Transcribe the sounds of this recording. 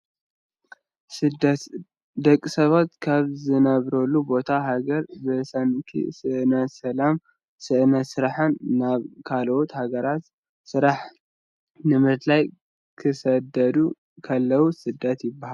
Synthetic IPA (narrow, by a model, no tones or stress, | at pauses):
sɨd̪t̪ | d̪ɐkʼːisɐβat̪kʰaβzɨnɐβɾɐlːubo̞t̪ʰaɦaɡɐɾbɨsankʰḭsɨʔɨnɐt̪sɐlam | sɨʔɨnɐt̪sɨɾaħanːaβkʰalʔot̪haɡɐɾat̪ | sɨɾaħ | nɨmɾɨt̪laj | kʰɨsɐd̪ɐd̪u | kʰɐlːɐwusɨd̪ːat̪jɪbːahal